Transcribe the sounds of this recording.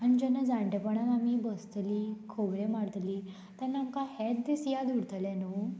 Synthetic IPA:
anid͡ʑənad͡zãɳʈepəɳat̪amibəst̪liːkʰobɾemaɽt̪liː | t̪əɾnaŋkahɛt̪̚d̪esjad̪uɽt̪əlɛ̃nu

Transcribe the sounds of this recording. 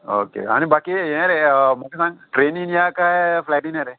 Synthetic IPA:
o̰ːkḛɦa̰ːnibaːkijɛ̃ɾemokesãŋʈɾeːninijakaɦefʰlaːʈinɛ̃ɾe

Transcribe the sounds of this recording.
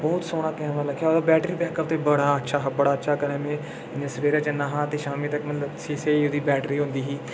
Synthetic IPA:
bɔːt̪soːɽ̃aːkɛːnʋaːləkʰːjaːoːd̪aːbɛːʈɾiːbɛːkəpt̪eːbəɽaːətːʃʰaːɦbəɽaːətːʃʰaːkəɾẽːmẽː | ãːsəʋeːɾaːt͡ʃənaɦãːt̪eːʃaːmiːt̪əkmət̪ləbsiːseiːod̪iːbɛːʈɾiːɦʊ̃nd̪iːɦiː

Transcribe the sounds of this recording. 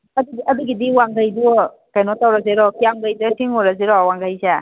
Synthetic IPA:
ɐduɡiɐduɡidiwaŋɡajdu | kajnɔtawɾazeɾɔkijamɡajdatʰiŋɔɾazeɾɔwaŋɡajza

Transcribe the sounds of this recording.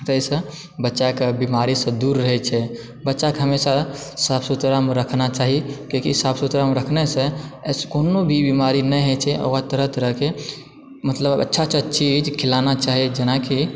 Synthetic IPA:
t̪əsə̃ | bətːʃakebimaɾisə̃d̪uɾːəɦɛt͡ʃʰɛ | bətːʃakeɦəmesasapsut̪ɾamɾəkʰnat͡ʃaɦikokisapʰsut̪ɾamɾəkʰnɛsə̃skonobʱibimaɾinɛ̃jɦɛt͡ʃʰɛʔo̰kat̪əɾəɦt̪əɾəɦke | mət̪ləbbə̰tːʃʰat͡ʃʰət͡ʃid͡ʒkʰilanat͡ʃaɦid͡ʒənaki

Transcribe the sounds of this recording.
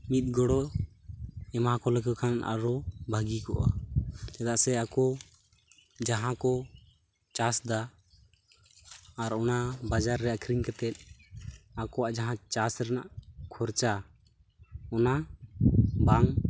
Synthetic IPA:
mit̪̚ˀɡɔɽɔ | ɛmãkɔlɛkɔkʰana̰ɾɔbʱaɡikɔʔa̰t͡ʃɛd̪aʔsɛakɔ | d͡ʒaɦãkɔ | t͡ʃasd̪a | ɾɔnabad͡ʒaɾːɛakʰɾiɲkɛt̪ɛt̪̚ˀ | akɔwaʔd͡ʒaɦãt͡ʃasɾɛna̰ʔkʰɔɾt͡ʃa | ɔna | baŋ

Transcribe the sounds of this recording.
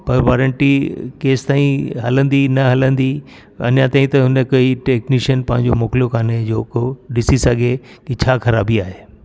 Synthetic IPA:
pɐɾʋaːɾəɳʈikeːst̪aːĩɦɐlə̃nd̪inɐɦɐlə̃nd̪i | ɐ̰njãt̪aːĩt̪ɐɦʊnəkɐiʈeːkniːʃənpɐ̃ɦɪ̃ɲ̆d͡ʑomoːklijokʰaːned͡ʑoːkoɗɪsisɐɡʱekɪt͡ɕʰaːkʰɐɾaːbiaːɦeː

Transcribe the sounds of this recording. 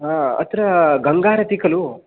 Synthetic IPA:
ɦãːɐ̰t̪ɾɐɡɐŋɡaːɾɐt̪ikɐlu

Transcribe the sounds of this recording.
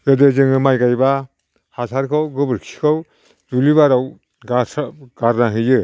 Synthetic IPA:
zɯdɯzɯŋɯmajɡajba | hasʰaɾkʰawɡɯbɯɾkʰi̥kʰaw | duliβaɾaw | ɡasɡ̥aɾnaɦɯjɯ

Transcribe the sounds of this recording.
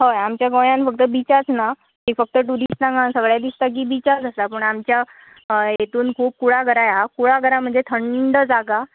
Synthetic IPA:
ɦəjamt͡ɕjaɡojãnfək̚t̪əbit͡ɕat͡sna | kiːfək̚t̪əʈuɾisʈãŋɡãnsəɡɭjad̪ist̪ak̬iːbit͡ɕad͡zəst̪apəɳamt͡ɕja | jet̪uːnkʰuːp̚kuɽaɡəɾajakuɭaɡəɾam̤əɳd͡zet̪ʰəɳɖəd͡zaɡa

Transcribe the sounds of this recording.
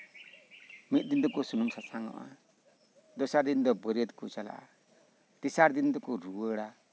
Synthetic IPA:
mit̪̚ˀd̪ind̪ɔkɔsunumsasaŋɔ̰ʔa̰ | d̪ɔsaɾd̪ind̪ɔbɔɾiəd̪kut͡ʃala̰ʔa̰ | t̪isaɾd̪ind̪ɔkɔɾuwəɽa

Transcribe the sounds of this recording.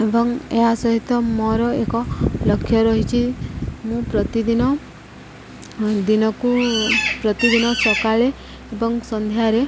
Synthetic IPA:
ebɔŋeɦasɔɦit̪ɔmɔɾɔekɔlɔkʰːjɔɾɔɦit͡ʃʰimũpɾɔt̪id̪inɔ | d̪inɔkupɾɔt̪id̪inɔsɔkaɭe | ebɔŋsɔnd̪ʱjaɾe

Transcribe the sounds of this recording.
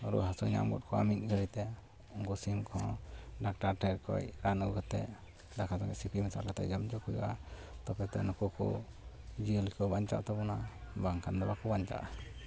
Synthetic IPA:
ɔɾṵɦasuɲa̰mɡɔ̰t̚kʰɔa̰mit̪̚ˀɡəɾit̪ɛ | uŋkusimkʰɔ̃ɖak̚ʈaɾʈɛɾkɔ̰jɾanuɡukat̪ɛ | dakʰazɔŋɛsipʰimisalkat̪ɛ̰d͡ʒɔmd͡ʒɔkujṵʔat̪ɔpɛt̪ɛ̰nɔkukɔ̰ | d͡ʒiəlikɔbaɲt͡ʃa̰ʔt̪ɔbɔnabaŋkʰand̪ɔbakɔbaɲt͡ʃa̰ʔa

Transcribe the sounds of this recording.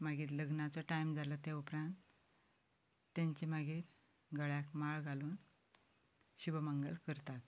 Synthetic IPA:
maɡiːɾləɡnat͡sɔʈajmd͡zalət̪aupɾãnt̪ | ãɲt͡ɕimaɡiːɾ | ɡʱəɭjakmaɭɡʱaluːn | ɕibəməŋɡəlkəɾt̪at̪

